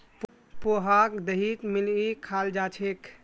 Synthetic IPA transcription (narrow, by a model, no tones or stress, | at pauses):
p | poɦakd̪əɦit̪milikʰald͡ʒat͡ʃʰek